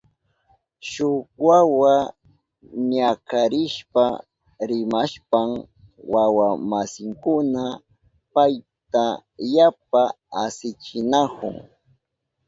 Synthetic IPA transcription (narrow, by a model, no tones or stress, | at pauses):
ʃʊkwawa | ɲakaɾɪʃpa | ɾɪmaʃpam | wawamasɪŋkʊna | paj | t̪ajap̚a | asɪt͡ʃɪnakʊ̰ŋ